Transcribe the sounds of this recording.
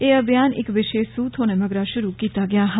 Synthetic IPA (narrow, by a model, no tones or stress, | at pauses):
eːɐbjaːnɪ̰kʋɪʃeːʃsuːt̪ʰɦoːnemɐɡɾaʃʊɾukiːt̪aɡɪjaːɦ